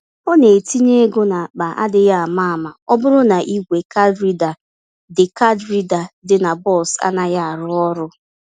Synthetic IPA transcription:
o˦ne˨ti˦ɲe˦ɡo˦na˨k͡pa˨ʔa̰˦dɪ˦ja˦a˨ma˦a˨ma˨ɔ˦bʊ˦ɾʊ˦na˨ʔi˦ɡʷe˨ka˦dɾi˦da˨ | dɪ˨ka˦dɾi˦da˨dɪ˨na˨bɔ˦˨sa̰˦na˦ja˦a˨ɾʊ˦ɔ˦ɾʊ˦

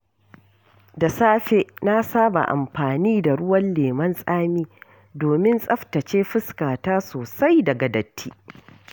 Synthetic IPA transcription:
da˨saː˦ɸe˦ʔna˦saː˦ba̰˨ʔa̰˨mɸaː˨niː˦da˨ɽʊ˦wɐ˦nleː˨mɐ˦nsʼaː˦miː˦ | doː˨mɪ˦nsʼɐ˦ɸtɐ˨t͡ʃeː˦ɸɪ˦skaː˨taː˦soː˨sa˦jdɐ˨ɡɐ˨dɐ˨tʰːiː˦

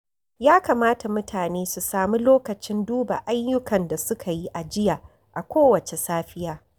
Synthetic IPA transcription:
jaː˦ka˨maː˦ta˨mʊ˦tʰaː˨neː˦su˨saː˦mu˦loː˦kɐ˨t͡ʃɪ˦nduː˦ba̰˨ʔa˦jjːʊ˦kɐ˨nda˨sʊ˦kʰa˨ji˦ʔa˨d͡ʒɪ˦jaː˨ | ʔa˨kʷoː˦wɐ˨t͡ʃe˨saː˦ɸɪ˦jaː˦

